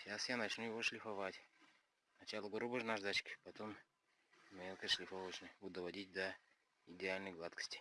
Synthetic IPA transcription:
ɕasjanɐt͡ɕnujɪvoʂlʲɪfɐvatʲ | nɐt͡ɕalˠəɡoɾubəʐnaʐd̪at͡ɕkʲɪ̥pɐt̪om | mʲelˠkəʂlʲɪfovət͡ɕnəʊd̪əvɐdʲit̚ʲd̪ə | ɪdʲɪalʲnəjɡlˠat̪kə̥sʲtʲɪ̥

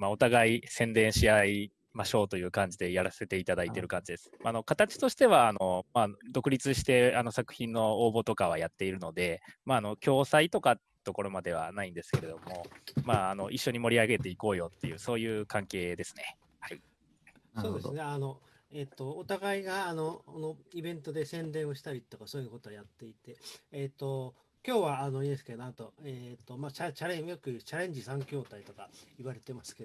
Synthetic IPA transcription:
mao̞t̪aɡaisẽ̞nd̪ẽ̞ɰ̃ɕiai | maɕo̞ːt̪o̞jɯ̟ːkãɲ̟d͡ʑid̪e̞jaɾase̞t̪e̞it̪ad̪ait̪e̞ɾɯ̟kãɲ̟d͡ʑid̪e̞sɨ̥maːno̞kat̪at͡ɕi̥t̪o̞ɕi̥t̪e̞β̞aːno̞maːd̪o̞kɯ̟ɾʲit͡sɨɕi̥t̪e̞ano̞sakɯ̟̥çĩnːo̞oːbo̞t̪o̞kaβ̞ajat̪ːe̞iɾɯ̟no̞d̪e̞maːno̞kʲo̞ːsait̪o̞ka | t̪o̞ko̞ɾo̞mad̪e̞β̞a̰naĩnd̪e̞sɨ̥ke̞ɾe̞d̪o̞mo̞maːno̞ʔiɕːo̞ɲ̟imo̞ɾʲiaɡe̞t̪e̞iko̞ːjo̞t̪ːe̞jɯ̟so̞ːjɯ̟ːkãŋke̞ːd̪e̞sɨ̥ne | sso̞ːd̪e̞sɨne̞ano̞ | et̪ːo̞ːt̪aɡaiɡaːno̞konoibẽ̞nt̪o̞d̪e̞sẽ̞nd̪ẽ̞ɰ̃o̞ɕi̥t̪aɾʲit̪o̞kasoːjɯnakot̪oːjat̪ːe̞it̪e̞ːt̪ːo̞ | kʲo̞ːβaːno̞inesɨ̥kenoat̪o̞eːt̪ːo̞maːt͡ɕat͡ɕaɾẽjokɯ̟t͡ɕaɾẽ̞ɲ̟d͡ʑisãŋkʲo̞ːt̪ait̪o̞kaiβaɾe̞t̪e̞masɨ̥ke

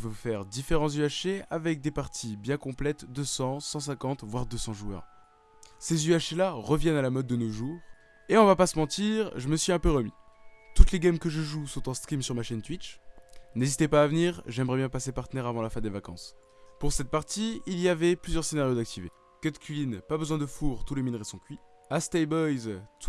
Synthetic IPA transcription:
vøfɛʁd̪ifeʁɑ̃zyaʃeavɛk̚d̪epaʁt̪ʰibjɛ̃kɔ̃plɛt̪d̪əsɑ̃sɑ̃sɛ̃kɑ̃t̪vwaʁd̪əsɑ̃ʒuœ̰ːʁ | sezyaʃelaʁəvjɛnalamɔd̪̚ːənoʒuːʁ | eɔ̃vapasəmɑ̃t̪iʁʒəməsɥiɛ̃pøʁəmḭt̪ut̪leɡamkəʒəʒusɔ̃t̪ɑ̃st̪χimsyʁmaʃɛnt̪wit͡ʃnezit̪epaːvəniːʁʒɛmʁɛbjɛ̃pasepaʁt̪ənɛʁavɑ̃lafɛ̃d̪evakɑ̰̃s | puʁsɛt̪̚paʁt̪iilijavɛplyzjœʁsenaʁjod̪ak̚t̪ʰive | kɛd̪kʲʰɥiinpabəzwɛ̃d̪əfuʁt̪uleminʁesɔ̃kʲɥi | ast̪ɛjbɔjzt̪ʰ

